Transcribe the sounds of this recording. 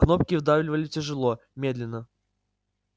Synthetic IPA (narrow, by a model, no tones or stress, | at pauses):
knopkʲɪvd̪avlʲɪvəlʲɪtʲɪʐɨlˠo | mʲed̪lʲɪnːə